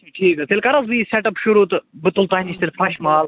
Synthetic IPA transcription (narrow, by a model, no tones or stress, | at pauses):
ʈʰiːkɐt̪ʰelkɐɾɐzbiːsɛʈɐpʃʊɾuːt̪bɪt̪ʊlt̪aːɦinist̪elʲfɾɐʃmaːl